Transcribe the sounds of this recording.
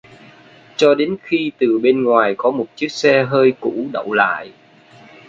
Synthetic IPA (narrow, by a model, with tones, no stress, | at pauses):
t͡ɕɔ˧ɗe˨˦nxi˧t̪ɨ˨˩ɓe˧nŋwaː˨˩jkɔ˨˦mo˨˩t̚t͡ɕi˦˥ək̚sɛ˧ɦəː˧jkṵ˧˥ɗə̰˧˨wla̰ː˧˨j